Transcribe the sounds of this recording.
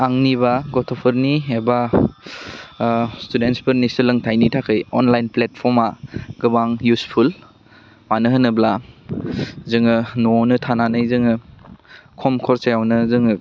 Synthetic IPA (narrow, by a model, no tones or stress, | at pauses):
aŋniβaɡɔtʰɔpʰɯɾniɦeba | studentspɯɾnisɯlɯŋtʰajnitʰakʰɯjɔnlajnplet̚pʰɔɾmaɡ̥ɯbaŋjuspʰul | manɯɦɯnɯbla | zɯŋɯnonɯtʰananɯjzɯŋɯ | kʰɔmkʰɔɾsajawnɯzɯŋɯ